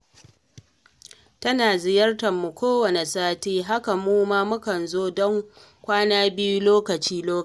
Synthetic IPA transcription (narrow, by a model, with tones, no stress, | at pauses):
tɐ˦naː˨zɪ˨jɐ˦rtɐ˨mːu˨kʷoː˦wɐ˨ne˨saː˦tiː˦ɦa˦ka˨muː˦maː˦mʊ˦kɐ˨nzoː˦dɔ˦ŋ | kʷaː˦naː˦bɪ˦ju˦loː˦kɐ˨t͡ʃiː˦loː˦k